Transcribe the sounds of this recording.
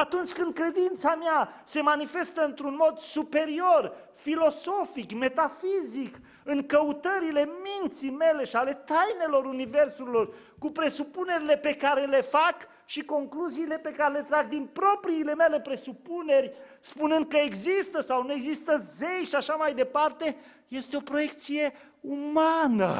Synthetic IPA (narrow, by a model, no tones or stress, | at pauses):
at̪unt͡ʃʲkɨnd̪̚kɾe̞d̪int̪samease̞manife̞st̪əɨnt̪ɾunmo̞d̪supe̞ɾio̞r | filo̞so̞fikme̞t̪afizik | ɨŋkəut̪əɾile̞mint̪sime̞le̞ʃiale̞t̪ajne̞lo̞ɾunive̞rsuilo̞r | kupɾe̞supune̞ɾile̞pe̞kaɾe̞le̞fak | ʃiko̞ŋkluziːle̞pe̞kaɾe̞le̞t̪ɾaɡ̚d̪inpɾo̞pɾiːle̞me̞le̞pɾe̞supune̞rʲ | spunɨnd̪̚kəeɡzist̪əsawnue̞ɡzist̪əzejʃiaʃamajd̪e̞part̪e̞ | je̞st̪eo̞pɾo̞je̞k̚t̪sije̞ | umanə̰